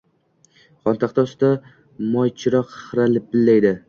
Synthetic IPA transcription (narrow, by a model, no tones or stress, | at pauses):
χɒnt̪ʰaqt̪ʰɒsd̪a | mɒjt͡ʃʰɪɾɒqχɨɾalɪp̚bɪlːajd̪ɪ